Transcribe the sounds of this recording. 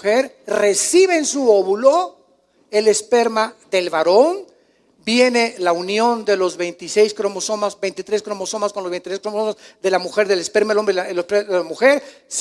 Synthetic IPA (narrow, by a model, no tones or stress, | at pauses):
xeɾ | re̞siβeːnsuoβulo̞ | e̞lespeɾmaðelβaɾo̞n | bje̞ne̞launjo̞nd̪e̞lo̞zβe̞jnt̪ise̞jskɾomosomasbejnt̪it̪ɾeskɾomosomaskonlozβenit̪ɾeskɾomosomazðe̞lamuxeɾðe̞lespeɾmaelombɾeelɾeelamuxeɾs